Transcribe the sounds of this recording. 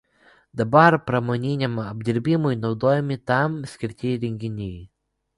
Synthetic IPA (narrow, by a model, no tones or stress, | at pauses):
d̪ɐbɐɾpɾɐmɔnʲinʲɛmɔbʲd̪ʲɪɾʲbʲimʊjnɔʊd̪oːjɛmʲit̪ɑmsʲkʲɪɾʲt̪ʲiɾʲɛŋʲkʲɪnʲij